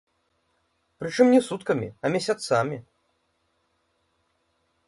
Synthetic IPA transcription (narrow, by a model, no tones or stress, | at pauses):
pɾɨt͡ʂɨmnʲɛsut̪kɐmʲḭɐmʲɛsʲat̪samʲi